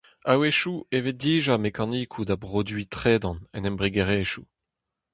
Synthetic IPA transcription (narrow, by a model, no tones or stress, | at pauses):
aweʃuevet̚d̪iːʒamekaniːkʰud̪abʁod̪ɥit̪χeːd̪ɑ̃nɛ̰nɛmbʁiɡeʁeːʃu